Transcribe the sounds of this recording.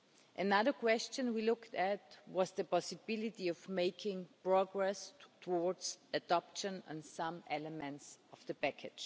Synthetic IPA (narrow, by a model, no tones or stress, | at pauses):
ʔɨnaðə˞kw̥ɛst͡ʃɨ̃nwilʊktæt̚wʌzðɨpɑsɨbɪlɪtiɔvmeɪkʰɪ̃ŋpɹ̥ɔɡɹɛstʰəɔɹdzɨdɑpʃɨ̃nə̰̃nsãmɛləmɛ̃ntsʌvðɨpækʰɨd̥ʒ̥